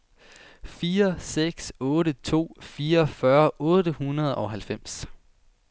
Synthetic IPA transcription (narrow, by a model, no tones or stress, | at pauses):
fiːɐseɡ̥sɔ̽ːɾət͡sʰo̝̰ːfiːɐfɶɐʔɔ̽ːɾəhunɐð̞̩ˠɒ̽ɦælfem̰s